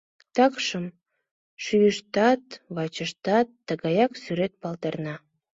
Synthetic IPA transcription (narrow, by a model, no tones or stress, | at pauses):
t̪ɑkʃəm | ʃyjəʃt̪ɑt̪βɑt͡ɕəʃt̪ɑt̪ːəɣɑjɑksyɾet̪̚pɑlt̪ernɑ